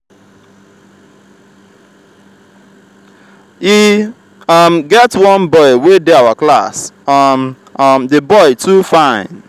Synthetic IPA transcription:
hi | ʌmɡɛtwʌ̃nbɔɪwedɪawaklasm | mdebɔɪtʰufãɪ̃n

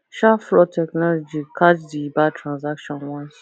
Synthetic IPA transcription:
ʃafɾɔtʰɛknɔlɔd͡ʒikʰad͡ʒdibatʰɾãnzakʃɔ̃nwãns

